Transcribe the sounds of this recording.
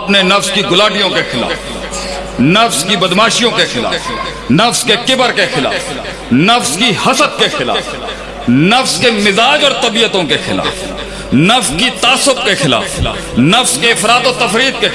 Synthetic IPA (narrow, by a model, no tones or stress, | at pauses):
ɐpnenɐfskiɡʊlaːʈijõkexɪla̰ːf | nɐfskibɐd̪maːʃijõkexɪla̰ːf | nɐfskekɪbəɾkexɪla̰ːf | nɐfskihɐsət̪̚kexɪla̰ːf | nɐfskemɪzaːd͡ʒɔːɾt̪ɐbiːət̪õkexɪla̰ːf | nɐfskit̪aːsʊp̚kexɪla̰ːf | nɐfskeɪfɾaːt̪ot̪ɐfɾiːt̪̚ke